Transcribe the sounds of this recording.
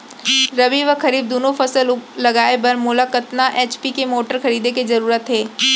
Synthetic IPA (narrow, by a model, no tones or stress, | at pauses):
ɾɐʋiʋəkɐɾiːb̚d̪oːnõfɐsəlʊlɐɡaːebɐɾmʊːlakət̪naʔeːt͡ʃpikemoːʈəɾxɐɾiːd̪ekezɐɾuːɾət̪ɦeː